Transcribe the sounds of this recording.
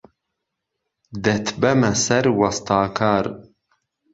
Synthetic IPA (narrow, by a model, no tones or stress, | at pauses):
d̪ɛt̪ʰbɐmɐsɐɾwɑst̪ʰɑːkʰaːɾ